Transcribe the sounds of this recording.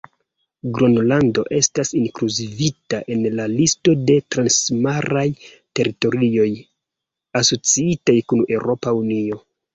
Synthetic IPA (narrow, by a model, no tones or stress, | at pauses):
ɡɾo̞nlando̞ʔe̞stasiŋkluzivitaʔe̞nlalisto̞de̞tɾansmaɾaj | te̞ɾito̞ɾio̞j | aso̞t͡siitajkune̞wɾʔo̞paunio̞